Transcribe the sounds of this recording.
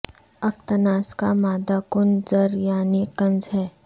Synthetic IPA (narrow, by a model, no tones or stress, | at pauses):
ɐk̚t̪ənaːskamaːd̪akʊnd͡ʒəɾjaːnikɐ̃nd͡ʒɦɛː